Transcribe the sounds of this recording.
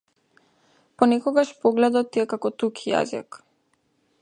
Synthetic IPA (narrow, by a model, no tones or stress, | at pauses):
pɔnɛkɔɡaʃpɔɡlɛd̪ɔt̪ːiɛkakɔt̪ukʰija̰zḭk